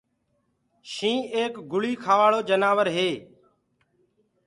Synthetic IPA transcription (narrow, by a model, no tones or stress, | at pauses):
ʃĩːeːkɡʊɭiːkʰaːʋaːɭoːd͡ʒənaːʋəɾɦeː